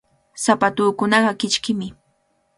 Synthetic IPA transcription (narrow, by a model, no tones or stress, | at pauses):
sapat̪uːkʊnɑɢɑkɪt͡ʃkɪmɪ